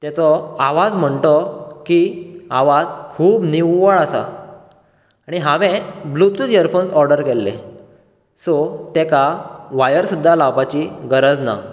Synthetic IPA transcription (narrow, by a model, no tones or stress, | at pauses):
t̪ɛt͡sɔaʋad͡zm̤əɳt̪ɔkiaʋad͡zkʰuːbniwːəɭasa̰ | aɽ̃iɦãʋẽblut̪uləɾfonsɔɾɖəɾkɛlːḛ | sot̪ekaʋajəɾsud̪ʱːalawpat͡ɕiɡəɾəd͡zna̰